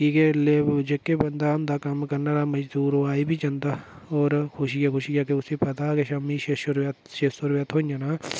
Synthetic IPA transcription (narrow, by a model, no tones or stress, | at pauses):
kiːkeled͡ʒekːebɐnd̪and̪akɐmkɐɾnaɾamɐd͡ʒd̪uːɾoaːibʱit͡ʃɐ̃nd̪a | ɔːɾkʰʊʃikakʰʊʃikakeʊsipɐt̪akeʃaːmiʃeʃʊɾat̪ʃeːsʊɾʋjat̪ɦoːnjanaː